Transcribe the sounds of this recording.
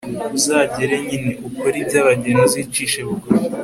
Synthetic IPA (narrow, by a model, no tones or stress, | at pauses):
uzaːɟeɾeɲiniʔukoɾibɟaβaɟenozit͡ʃiːʃeβuɡoi